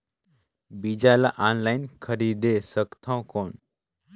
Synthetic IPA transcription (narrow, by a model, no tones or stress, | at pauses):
bid͡ʒaːlaʔaːnlajnkʰəɾid̪esəkt̪ʰãw̃koːn